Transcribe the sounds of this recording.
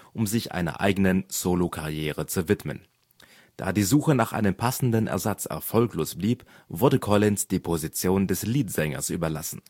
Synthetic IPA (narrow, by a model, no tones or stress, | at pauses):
ʔʊmzɪçʔa̰ɪnɐ̰ʔa̰ɪɡənənz̥oːlokʰaʁjeːʁət͡suvɪtmə̰n | d̥a̰ːdiːzuːxənaːχʔa̰ɪnəmpʰasn̩dənʔɛ̰ɐzat͡sɛ̰ɐfɔlkloːsb̥liːp | v̥ʊɐdəkʰɔlɪnsd̥iːpʰozit͡sjoːndɛsliːtz̥ɛŋɐ̰sʔy̰ːbɐla̰sn̩